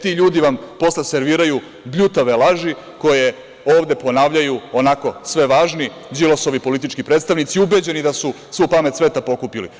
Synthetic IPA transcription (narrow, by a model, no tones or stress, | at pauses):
t̪iːʎuːd̪iʋampo̞slese̞ɾʋiːɾaju | bʎut̪aʋelˠaʒi | ko̞je̞ | o̞ːʋd̪e̞po̞naːʋʎajuonako̞sʋe̞ʋaːʒni | d͡ʑilosoʋipo̞lit̪it͡ʃkipɾeːt̪st̪aʋnit̪siubed͡ʑe̞nid̪asu | sʋuːpamet̪sʋe̞t̪apo̞kupilḭ